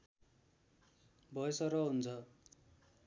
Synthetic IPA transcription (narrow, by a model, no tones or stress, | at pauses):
bʱʌjsʌɾʌɦunt͡sʰʌ